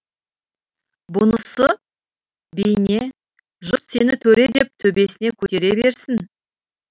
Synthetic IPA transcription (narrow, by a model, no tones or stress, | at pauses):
bʊnəsə | bejne̞ | ʒʊt̪senɪt̪ʰɵɾed̪e̞p̚t̪ʰɵbe̞sɪnekʲʰɵt̪e̞ɾe̞be̞ɾsɪn